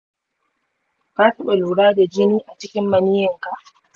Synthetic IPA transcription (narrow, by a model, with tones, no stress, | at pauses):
kaː˦tɐ˦ɓe˨luː˨ɽaː˦da˨d͡ʒɪ˦niː˦ʔa˨t͡ʃɪ˦kʲɪ˦mːɐ˨niː˦jɐ˨ŋka˨ʔ